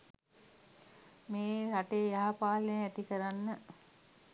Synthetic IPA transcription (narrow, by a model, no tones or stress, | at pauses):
meːɾaʈejaɦapaːlenæt̪ikəɾanːə